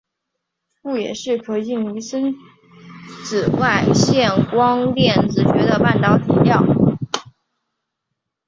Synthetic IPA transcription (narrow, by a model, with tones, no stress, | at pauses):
fu˥˩jɛ˨˩ʂɻ̩˥˩kʰɤ˨˩i˥˩ŋy˧˥sə˥n | t͡s̩˨˩wa˥˧ɪɕjɛ˥˩nkwɑ˥ŋt̪jɛ˥˩nʈ͡ʂɻ̩˧˩t͡ɕɥɛ˧˥d̪ə˧pa˥˩nt̪ɑ˨˩ʊt̪ʰi˧˥ljɑ˥˩ʊ